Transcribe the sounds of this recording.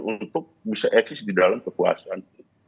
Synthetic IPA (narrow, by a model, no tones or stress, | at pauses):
unt̪ʊk̚bisaʔɛksɪsdidalamkəkua̰san